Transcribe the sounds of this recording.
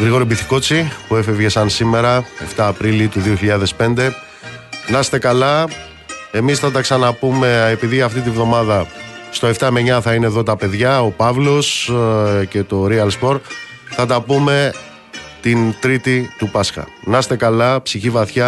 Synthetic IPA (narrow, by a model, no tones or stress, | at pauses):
ɣɾiɣo̞ɾibiθi̥ko̞t͡sipuefevʝe̞sɐnsime̞ɾɐe̞ft̪ɐːpɾilit̪uðio̞çiʎɐðe̞spe̞nd̪e̞ | nɐst̪e̞kɐlɐ | e̞misθɐt̪ɐksɐnɐpume̞epiðiɐft̪it̪ivðo̞mɐðɐst̪o̞e̞ft̪ɐmeɲɐθɐineðo̞t̪ɐpe̞ðʝɐo̞pɐvlo̞s | ce̞t̪o̞ɾiɐlspo̞ɾ | θɐt̪ɐpume̞ | t̪int̪ɾit̪it̪upɐsxɐ̰nɐst̪e̞kɐlɐpsiçivɐθçɐ